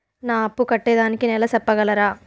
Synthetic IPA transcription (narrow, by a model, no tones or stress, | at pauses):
naːɐpːukɐʈːɛːd̪aːnikinɛlɐsɐpːɐɡɐlɐɾaː